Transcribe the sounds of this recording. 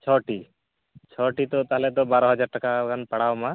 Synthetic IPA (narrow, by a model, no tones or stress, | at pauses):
t͡ʃʰɔʈi | t͡ʃʰɔʈit̪ɔt̪aɦlɛt̪̬ɔbaɾɔɦɔd͡ʒaɾʈakakanpaɽawmã